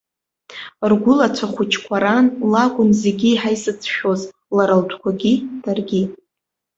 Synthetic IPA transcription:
rɡʷʊlat͡sʷʰaχʷut͡ʃʰkʷʰaɾanlaɡʷʼʊnze̞ɡʲiːħajsɨt͡sʰʃᶣoz | laɾaltʷʰkʷʰaɡʲid̥arɡʲi

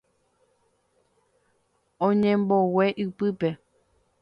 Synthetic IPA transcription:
õɲẽmbowe̞ʔɨpɨpe̞

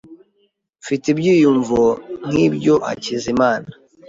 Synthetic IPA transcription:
fitibɟiːjuɱvon̥ibɟoʔa̰cizimaːna

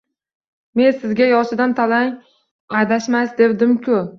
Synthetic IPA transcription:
me̞nsɪzɡʲajɒʃɪd̪ant̪ʰalaŋ | ajd̪aʃmasd̪e̞bd̪ɪmkʲʰʊ

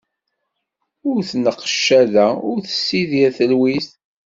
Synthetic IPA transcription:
ʊɾθnəqːə̥ʃːæðæʊɾθə̥sːiðjæθəlwisθ

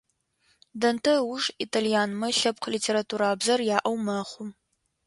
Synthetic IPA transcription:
dɐntʰɐwʊʐitʰalijaːnmɐɬɐp̚qʰlitʰeːɾatʰuːɾaːbzɐrjaːʔɐwmɐχʷʊm

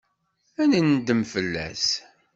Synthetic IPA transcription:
ænənd̪əmfəlːæ̰s

